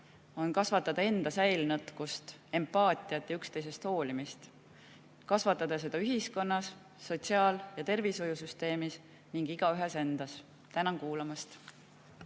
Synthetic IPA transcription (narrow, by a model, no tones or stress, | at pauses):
o̞nkɑsvɑt̪ːˑɑd̪̥ɑe̞nd̪̥ɑsæjlnɤt̪ˑkust̪e̞mpɑːt̪ˑiɑt̪jɑykst̪e̞jse̞st̪ho̞ːlimist̪ | kɑsvɑt̪ːˑɑd̪ɑse̞d̪ɑyɦisko̞nːɑsː | o̞t̪ʲsiɑːljɑt̪e̞rviso̞jusyst̪e̞ːmis | niŋɡiɡ̥ɑyɦese̞nd̪̥ɑs | t̪ænɑŋkuːlɑmɑst̪